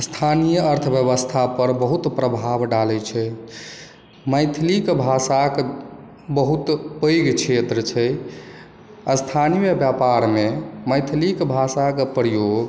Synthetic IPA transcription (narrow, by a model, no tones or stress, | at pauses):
st̪ʰanijəəɾt̪ʰbjəβəst̪ʰapəɾbəɦut̪pɾəbʱabɖalɛt͡ʃʰɛ | məjt̪ʰlikbʱasak | bəɦut̪pəjɡkʰet̪ɾət͡ʃʰɛ | ast̪ʰanijəbjapaɾmeməjt̪ʰlikbʱasakepɾəjoɡ